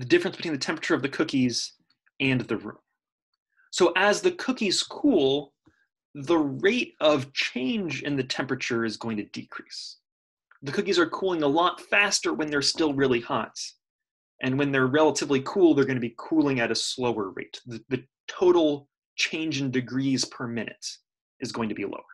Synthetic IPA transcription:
ðɨdɪfɹɨ̃nsb̥ɨtʰwĩnðɨtʰɛ̃mpɹət͡ʃə˞ʌvðɨkʰʊkiz | ɨ̃nðɨɹṵ̃m | soʊʔɨzðɨkʰʊkiz̥kʰulˠ | ðəɹeɪɾʌv̥t͡ʃʰẽɪ̃nd͡ʒɨ̰̃nðɨtʰɛ̃mpɹɨt͡ʃə˞ɨzɡoʊɪ̃ŋtʰɨdikʰɹ̥is | ðɨkʰʊkizə˞kʰulˠɪ̃ŋəlɔtfæstə˞wɨ̃nðə˞stɪlˠɹɪlˠihɑ̰t | ʔɨ̃nwɨ̃nðə˞ɹɛlˠəɾɨvlikʰulˠðə˞ɡʌ̃ñɨbikʰulˠɪ̃ŋɨɾɨsloʊə˞ɹḛɪt̪ðɨðɨ | tʰoʊɾl̩ˠ | t͡ʃʰẽɪ̃nd͡ʒɪ̃ŋdɨɡɹiz̥pʰə˞mɪ̃nɨ̰ɾ | ʔɨzɡoʊɪ̃ŋtʰɨbḭlo̰ʊə˞

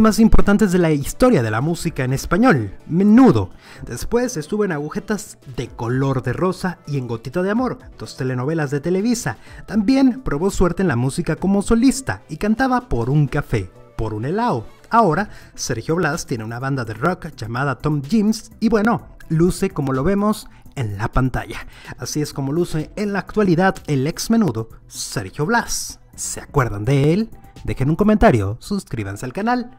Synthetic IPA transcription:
masimpo̞ɾt̪ant̪ezðe̞laist̪o̞ɾjað̞e̞lamusikaene̞spaɲo̞lme̞nuðo̞̰ | d̪e̞spwe̞se̞st̪uβo̞enaɣuxe̞t̪az | ðe̞ko̞lo̞ɾðero̞saie̞ŋɡo̞t̪it̪aðeamo̞ɾd̪̥o̞st̪e̞le̞no̞βe̞lazðe̞t̪e̞le̞βisat̪ambje̞mpɾo̞βoswe̞ɾt̪eːnlamusikako̞mo̞so̞list̪a̰ikant̪aβapo̞ɾuŋkafe̞po̞ɾune̞lao | ao̞ɾase̞ɾxjo̞βlast̪je̞neunaβand̪aðerokʝamaðat̪omʝimsibwe̞no̞luse̞ko̞mo̞lo̞βe̞mo̞se̞nlapant̪a̰ʝaasie̞sko̞mo̞luseːnlaːkt̪waliðaðeleksme̞nuðose̞ɾxjo̞βlasː | eakwe̞ɾðand̪eeld̪e̞xenuŋko̞ment̪aɾjo̞̰suskɾiβansealkanal

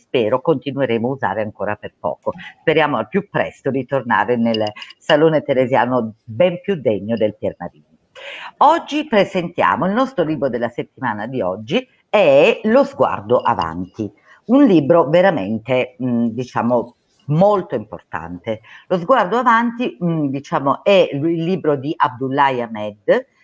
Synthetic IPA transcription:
spɛːɾokont̪inueɾeːmouza̰ːɾeaŋkoːɾaperpɔ̰ːkospeɾjaːmoalpjupːɾɛ̰st̪od̪it̪orna̰ːɾenelsaloːnet̪eɾezjaːnobɛmpjud̪ːeɲːod̪elperma̰ɾiːno | ɔd͡ʒːipɾezent̪ja̰ːmoilnɔst̪ɾoliːbɾod̪elːaset̪ːimaːnad̪iɔd͡ʒːi | eɛɛlozɡwa̰rd̪oʔa̰va̰nt̪i | unliːbɾoveɾamḛnt̪ed̪it͡ʃa̰ːmo | molt̪oimpo̰rt̪a̰nt̪elozɡward̪oavant̪id̪it͡ʃaːmoʔɛilːiːbɾod̪iʔab̚d̪ulːajamɛd̪

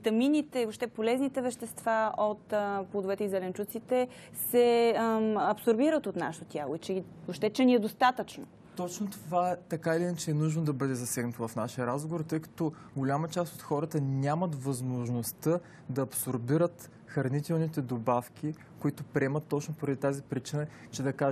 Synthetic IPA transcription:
t̪ɐminit̪ɛiopʃt̪ɛpolɛznit̪ɛvɛʃt̪ɛst̪vaot̪plˠod̪ovɛt̪ɛizɛlɛnt͡ʃut̪sit̪ɛ | sɛ | ɐpsoɾbiɾət̪ot̪na̰ʃt̪ot̪ʲjalˠoit͡ʃɛi | opʃt̪ɛt͡ʃɛnʲiɛd̪ost̪at̪ət͡ʃno̰ | t̪ɔt͡ʃnot̪ovaɛt̪ɐkailinət͡ʃɛːnuʒnod̪ɐbɤd̪ɛzɐsɛɡnɐt̪ovɐfnaʃiɐɾazɡovoɾt̪ɤjkɐ̥t̪ɔ | ɡolʲamət͡ʃast̪ot̪xɔɾət̪ənʲamɐt̪vɐzmoʒnost̪ə | d̪ɐːpsoɾbiɾət̪ | xɐɾnit̪ɛlˠnit̪ɛd̪obafk̟ʲi | koit̪ʊpɾʲɛmət̪ːɔt͡ʃnopoɾɐd̪it̪azipɾit͡ʃinə | t͡ʃɛd̪ɐka

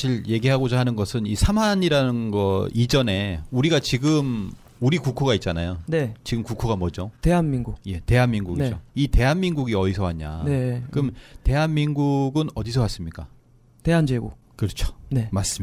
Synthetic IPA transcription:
ɕʰiɭje̞ɡiɦaɡod͡ʑaɦanɯnɡʌsʰɯnisʰamaɲiɾanɯnɡʌid͡ʑʌne̞uɾiɡat͡ɕiɡɯm | uɾikukʰoɡait̚t͡ɕ͈anajonet͡ɕiɡɯmkukʰoɡamwʌd͡ʑote̞ɦanminɡukje̞te̞ɦanminɡuɡieoite̞ɦanminɡuɡiʌis̬ʰʌɦaɲa̰ne̞kɯmte̞ɦanminɡuɡɯnʌdisʰʌwas͈ɯmɲik͈a | te̞ɦand͡ʑeɡo̰kɯɾʌt͡ɕʰo̥ne̞mas͈ɯm

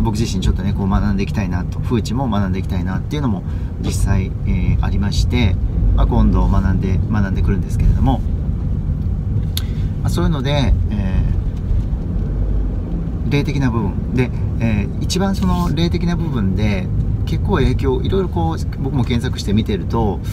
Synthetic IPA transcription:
bo̞kɯ̟ʑiɕĩɲ̟t͡ɕo̞t̪ːo̞ne̞ko̞ːmanãnd̪e̞iki̥t̪ainat̪o̞ɸɯ̟ːt͡ɕimo̞manãnd̪e̞ikʲi̥t̪ainat̪ːe̞iɯ̟no̞mo̞ | d͡ʑisːai | ea̰ɾʲimaɕi̥t̪e̞makõ̞nd̪o̞manand̪e̞manãnd̪ekɯ̟ɾɯ̟̃nd̪e̞sɨ̥ke̞ɾe̞d̪o̞mo̞ | maso̞ːjɯ̟no̞d̪e̞ː | ɾe̞ːt̪e̞kʲinabɯ̟bɯ̟̃nd̪e̞ː | it͡ɕibãɰ̃so̞no̞ɾe̞ːt̪e̞kʲinabɯ̟bɯ̟̃nd̪e̞ke̞kːo̞ːe̞ːkʲo̞ːʔiɾo̞iɾo̞ko̞ːbo̞kɯ̟mo̞kẽ̞ɰ̃sakɯ̟ɕi̥t̪e̞mʲit̪e̞ɾɯ̟t̪o̞

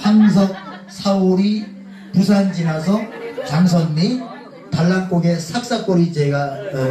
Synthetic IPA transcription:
haŋsʰʌk̚ | sʰaoɾi | pus̬ʰand͡ʑinasʰʌtaŋs̬ʰʌnmi | taɭːank͈oɡe̞sʰak̚s͈ak͈oɾit͡ɕeɡa

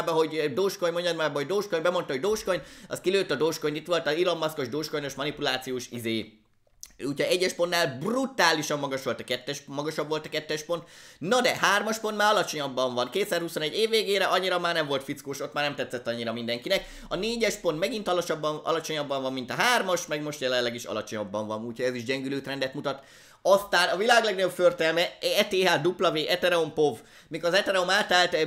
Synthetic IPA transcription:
bɒɦo̞ɟd̪oːʃkoɲmoɲɟɒnːaːbɒɦo̞ɟd̪oːʃkoɲbɛmo̞nt̪ɒɦo̞ɟd̪oːʃkoɲɒ̰skiløːt̪ːɒd̪oːʃkoɲit̪ʋo̞lt̪ɒilomːɒsko̞ʒd̪oːʃkojnoʃmɒnipulaːt̪sijoːʃizeː | uːcʰɒɛɟːɛʃpo̞nːaːlbrut̪aːliʃɒmːɒɡɒʃʋo̞lt̪ɒkɛt̪ːɛʃmɒɡɒʃɒbːʋo̞lt̪ɒkɛt̪ːɛʃpo̞nt̪nɒd̪ɛhaːrmɒʃpont̪maːɾɒlɒt͡ʃo̞ɲɒbːɒɱvɒnkeːt̪saːrhuso̞nɛɟːeːvːeːɡeːɾɛʔɒɲːiɾɒmaːrnɛɱvo̞lt̪fit̪skoːʃo̞t̪maːrnɛmt̪ɛt̪sːɛt̪ːɒɲːiɾɒmind̪ɛŋkinɛk | ɒneːɟɛʃpo̞nt̪mɛɡint̪ɒlt͡ʃɒbːɒɒ̰lɒt͡ʃo̞ɲɒbːɒɱvɒmmːint̪ɒɦaːrmɒʃmɛɡmo̞ʃt̪jɛlɛllɛɡiʃɒ̰lɒ̰t͡ʃo̞ɲɒbːɒɱvɒnuːchoɟɛziʒɟɛŋɡyløːt̪rɛnd̪ɛt̪mut̪ɒt̪ | ɒst̪aːnɒvilaːɡlɛɡnɒɟopført̪ɛlmɛɛt̪eːɦaːd̪uplɒveːʔɛt̪ɛɾɛompo̞v | mikɒzɛt̪ɛɾɛomaːt̪aːlt̪

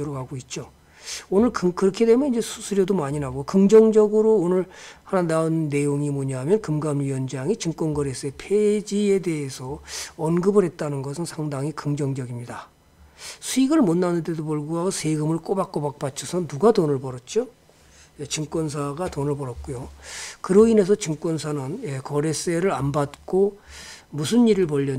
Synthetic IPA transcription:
oɾoɡaɡoit̚t͡ɕ͈o | onɯɭkɯkɯɾʌkʰede̞mjʌnind͡ʑe̞sʰusʰuɾjʌdomaɲinaɡokɯŋd͡ʑʌŋd͡ʑʌɡɯɾoːnɯɭhananaɯnːe̞joŋimuɲaɦamjʌnkɯmɡamɥiʌnd͡ʑaŋit͡ɕɯŋk͈wʌnɡʌɾe̞s͈ʰɯe̞pʰed͡ʑie̞de̞ɦesʰʌʌnɡɯbɯɾɦet̚t͈anɯnɡʌsʰɯnsʰaŋdaŋikɯŋd͡ʑʌŋd͡ʑʌɡimɲida | sʰuiɡɯɭmonːanɯnde̞doboɭɡoɦaɡosʰeɡɯmɯɭk͈obak͈obak̚p͈at͡ɕʰʌsʰʌnuɡatonɯɭbʌɾʌt̚t͡ɕ͈o | jet͡ɕɯŋk͈wʌnsʰaɡatonɯɭbʌɾʌt̚k͈ujokɯɾʌine̞s̬ʰʌt͡ɕɯŋk͈wʌnsʰanɯnekʌɾe̞s͈e̞ɾɯɾanbat̚k͈o | musʰɯniɾɯɭpʌʎːʌ

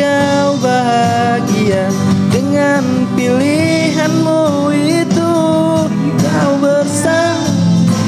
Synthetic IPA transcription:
a | wbaɦa | ɡia | dəŋan | pili | ɦanmu | i | t̪u | ka | wbərsa | ŋ

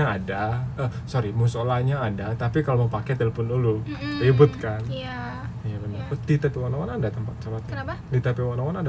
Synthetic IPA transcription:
aːdaəsoɾimusolahɲaːdat̪apikaloməmpakɛt̪ɛlpʊnuluibʊt̪̚kan | jabənərədit̪əpiwanaŋanandat̪əmpat̪̚t͡ʃalat̪̚ɲadit̪əpiwanaŋananda

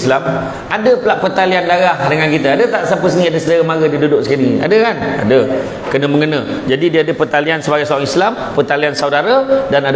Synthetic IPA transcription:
slam | adəpəlaʔpərt̪aliandaɾahdəŋankit̪əadət̪aʔsapəs̬nĩadəsədaɾəmaɡədidudʊk̚səkinia̰dəkana̰də | kənə̃məŋənə̰̃d͡ʒadidiəadəpərt̪aliansəbaɡajsaaŋislampərt̪aliansawdaɾadanad

